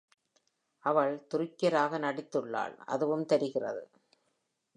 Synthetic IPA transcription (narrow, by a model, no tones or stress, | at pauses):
ʔɐʋɐɭt̪ʊrɪkːɐɾaːɣɐnɐɽɪt̪ːɯɭːa̰ːɭɐ̰ðɯʋɯmt̪ɛɾɪɣɪrɐ̰ðɯ̰